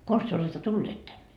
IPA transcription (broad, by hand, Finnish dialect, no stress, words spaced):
kons tyø oletːɑ tulːeːt tænːe